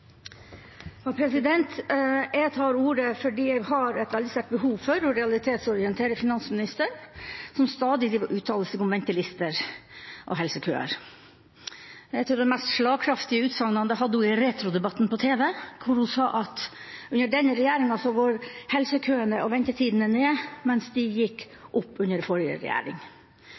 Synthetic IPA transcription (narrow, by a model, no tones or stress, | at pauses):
ɑpʰɾɛsɪd̪ɛnt̪ɛt̪ʰɑːɾuːɾəfɔɖiːɛɡhɑɾɛt̪ʋɛld̪ɪst̪eːʈ̚bəhuːʋfɔɾɔɾɛɑlɪt̪ʰeːt̪sɔɾɪənt̪ʰeːɾəfɪnɑnsmɪnɪst̪əɾsɔmst̪ɑːd̪ɪd̪ɪʋʔʉːt̪ʰɑːll̩səkʊmʋɛnt̪ɪlɪst̪əɾʔɔ̰ɦɛlsəkʰø̰ːə̰ɾ | æt̪ʰuːd̪ɛnmɛst̪ʂɭɑːɡkʰɾɑft̪ɪəʉːt̪sɑŋnɑnd̪əɦɑd̪ːəhʊɪɾeːt̪ʰɾʊd̪ɛbɑt̪ːnpɔt̪ʰeːʋɛkʰʊɾhʊsɑːʔɑt̪ʉnəɖɛnːəɾɛjæːɾɪŋɑsɔʋɑɾhɛlsəkʰøːəɳəʔɔʋɛnt̪ət̪ʰiːd̪n̩əneːmɛnsd̪ɪjɪkː | ʔʊpːʉnːəɾfɔɾɪə̰ɾɛ̰jæ̰ːɾɪ̰ŋ